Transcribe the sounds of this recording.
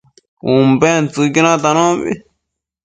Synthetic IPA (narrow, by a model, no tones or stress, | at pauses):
umbent͡sɨkinãt̪anõβḭ